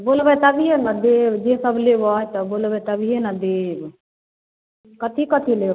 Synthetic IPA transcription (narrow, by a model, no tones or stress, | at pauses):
bolbɛt̪əbʱiɦenad̪ebd͡ʒesəbʱlebɔjt̪ɔbolbɛt̪əbʱiɦenad̪eb | kət̪ʰikət̪ʰile